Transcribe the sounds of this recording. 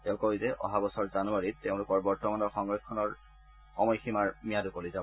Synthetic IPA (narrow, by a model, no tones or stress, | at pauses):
tɛʊ̃lkɔizɛʔɔ̰ɦabɔsɔɹzanuaɹiteʊ̃lʊkɔɹbɔɹtɔmanɔɹxɔŋɹɔkʰːɔnɔɹ | ɔmɔjximaɹmijadʊkolizabɔ